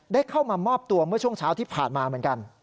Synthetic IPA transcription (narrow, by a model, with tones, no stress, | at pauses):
daː˥˩jkʰa˥˩wmaː˧mɔː˥˩p̚t̪u˧ɐmɯ˥˩ɐt͡ɕʰu˥˩əŋt͡ɕʰaː˦˥wt̪ʰiː˥˩pʰa̰ː˨˩nmaː˧mɯ˩˦ənka˧n